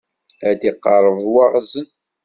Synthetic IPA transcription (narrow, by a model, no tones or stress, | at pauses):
æd̪iqːɑɾˤːəvwɑʁzən